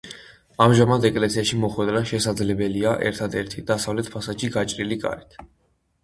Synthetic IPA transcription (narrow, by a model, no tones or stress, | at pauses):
amʒamad̪ɛkʼlɛsiaʃimɔχwɛd̪ɾaʃɛsad̪zlɛbɛliaʔɛ̰ɾt̪ʰad̪ɛɾt̪ʰid̪̥asavlɛt̪̚ʰpʰasaʃiɡat͡ʃʼɾilikʼa̰ɾit̪ʰ